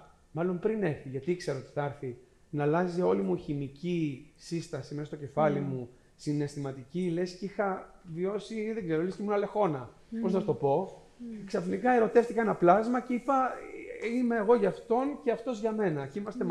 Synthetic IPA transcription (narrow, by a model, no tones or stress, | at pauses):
mɐlo̞mpɾine̞ɾθiʝɐt̪ikse̞ɾoot̪i̥θɐɾθi | nɐlɐzio̞limuçimicisist̪ɐsimest̪ocefɐlimu | sine̞st̪imɐt̪icilescixɐvio̞siðeɡzeɾolescemunɐle̞xo̞nɐ | po̞znɐt̪o̞po̞ | ksɐfnikɐe̞ɾo̞t̪e̞ft̪ikɐenɐplɐzmɐceipɐ | ime̞ːɣo̞ʝɐft̪o̞nceɐft̪o̞zʝɐme̞nɐceimɐst̪e